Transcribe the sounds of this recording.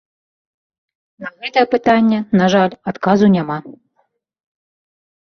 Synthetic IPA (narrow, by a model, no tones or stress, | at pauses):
nɐɣɛt̪ɐjɛpɨt̪anʲːɛnaʐalʲat̪kazunʲama